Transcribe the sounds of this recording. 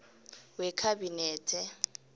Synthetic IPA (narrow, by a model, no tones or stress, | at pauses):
wɛkʰabinɛːtʼɛ